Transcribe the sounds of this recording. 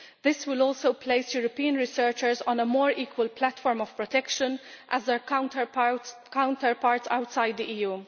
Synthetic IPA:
d̪ɪswɪlɔːlsoʊpʰleɪsjuːɾɔpiːə̃nɹɪsəɹt͡ʃəɹzɔ̃nəmɔːɹiːkwəlplætfɔːɹmɔv̥pɹɔt̪ɛkʃə̃nʔæzðɛɹ | kãʊ̃ntəɹpaːɹtsawtsaɪd̪̚diʔiːjuː

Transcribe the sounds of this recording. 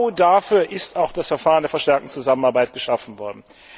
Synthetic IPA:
ʊdafyːɐʔɪstaʊxd̥asfɛɐfaːʁəndeːɐfɛɐʃtɛɐk̚tn̩t͡suzamən̩aɐbaɪt̚ɡ̥əʃafn̩vɔɐdn̩

